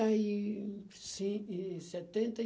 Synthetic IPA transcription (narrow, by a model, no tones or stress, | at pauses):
ai | sĩisɛt̪ẽnt̪ɐ